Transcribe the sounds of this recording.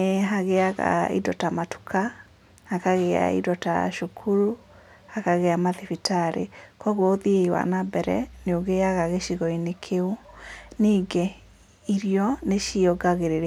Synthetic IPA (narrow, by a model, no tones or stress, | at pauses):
eɦaɣeaɣa̰ḭdɔtamatu̥kʰa | akaɣea̰ḭdɔta̰ʃukʰuɾu | akaɣeamaðifitaɾḛkɔɣooðieiwa̰nabɛɾɛ̰neoɣeaɣaɣeʃiɣɔinekʰeoniːɡe | iɾijɔneʃiɔɡaɣeɾeɾe